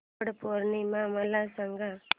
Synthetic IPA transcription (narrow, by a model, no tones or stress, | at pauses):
ɽɐpoɾnimaːmɐlːaːsɐŋɡa